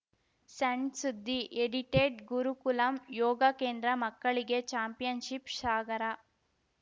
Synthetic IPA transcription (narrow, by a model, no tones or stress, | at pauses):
sɐɳɖsud̪ʱːiʔeɽiʈeːʈɡuɾukulɐmjɔːɡɐkeːnd̪ɾɐmɐkːɐɭiɡet͡ʃaːmpijɐnʃipʃaːɡɐɾɐ